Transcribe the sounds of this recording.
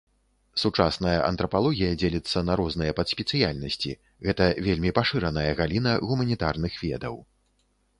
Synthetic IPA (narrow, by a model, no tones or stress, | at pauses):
sut͡ʂasnɐjɐʔɐ̰nt̪ɾɐpalˠɔɣʲijɐd͡zʲelʲit̪sːɐnɐɾɔznɨjɐpɐt̪sʲpʲɛtsɨjalʲnɐsʲt͡sʲḭ | ɣɛt̪ɐvʲelʲmʲipaʂɨɾɐnɐjɐɣalʲinɐɣumɐnʲit̪arnɨxvʲɛd̪ɐw